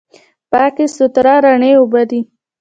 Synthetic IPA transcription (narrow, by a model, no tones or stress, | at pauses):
pɑkesʊt̪ɾɑɾaɳeubad̪i